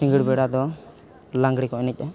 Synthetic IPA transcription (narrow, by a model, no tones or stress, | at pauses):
ĩŋɡiɽbɛɽad̪ɔ | laŋɡɽikɔɛnɛc̚ˀa